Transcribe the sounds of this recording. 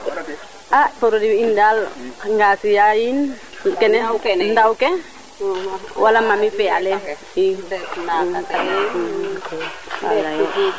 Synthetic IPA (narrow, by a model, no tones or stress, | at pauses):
ʔaʔpɔɾodiindalŋɡasiain | kɛnɛnd̪awke | walamamipɛalɛ | i | a̰